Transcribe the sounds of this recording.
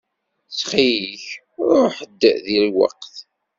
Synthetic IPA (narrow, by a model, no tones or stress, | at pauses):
t͡sːχijiç | ɾʊħəd̪ːðilwɑ̰qθ